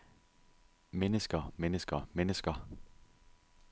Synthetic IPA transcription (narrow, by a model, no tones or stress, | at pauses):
menəsɡ̥ɐmenəsɡ̥ɐmenəsɡ̥ɐ